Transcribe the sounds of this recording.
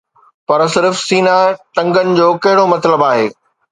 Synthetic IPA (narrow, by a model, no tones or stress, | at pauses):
pɐɾsɪɾfsiːnaʈɐ̃ŋɡənɪ̆d͡ʑoːkɐɦɪɽomɐt̪ləbaːɦeː